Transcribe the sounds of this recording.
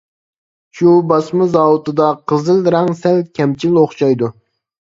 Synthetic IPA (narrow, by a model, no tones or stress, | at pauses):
ʃubɑsmɨzɑːwut̪ɨd̪ɑqʰəzɨlˠɾɑŋsɛlkʲʰɛmt͡ʃʰiloχʃɑjd̪u